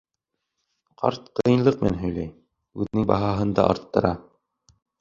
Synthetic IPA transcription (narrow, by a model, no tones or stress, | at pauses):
qɑ̰ɾt̪qɤnlˠɤq̚mænɦɵ̆jlæj | ʉðɘ̆nɘŋbɑɦɑɦɤ̆nd̪ɑ̰ʔɑ̰ɾt̪ːɤ̆ɾɑ